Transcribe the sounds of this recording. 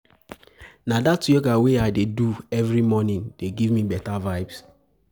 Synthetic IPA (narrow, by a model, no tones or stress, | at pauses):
nadatɔɡaweaɪdeduɛvɹimɔnĩndeɡivmibɛtavaɪbs